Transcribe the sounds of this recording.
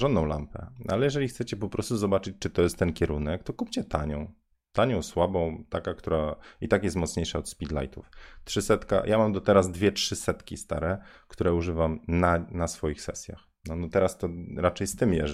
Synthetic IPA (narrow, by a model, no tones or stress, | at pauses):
ʐɔnd̪ɔ̃w̃la̰mpɛ̰a̰lɛjɛʐɛlʲixt̪sɛt͡ɕɛpɔpɾɔst̪uzɔbat͡ʂɘt͡ɕt͡ʂɘt̪ɔjɛst̪ːɛnkʲɛɾunɛk̚t̪ɔkupt͡ɕɛt̪a̰ɲɔ̃w̃ | t̪aɲɔ̃w̃swabɔ̃w̃t̪akakt̪uɾait̪akjɛst̪mɔt̪sɲejʂaɔt̪spʲid̪la̰jt̪uftʂɘsɛt̪ka̰jʔamamd̪ɔt̪ɛɾazd̪vʲjɛtʂɘsɛt̪kʲist̪aɾɛkt̪uɾɛuʐɘvamnanasfɔjixsɛ̰sʲja̰x | nɔnɔt̪ɛɾast̪ɔɾat͡ʂɛjst̪ɘmjɛ̰ʐ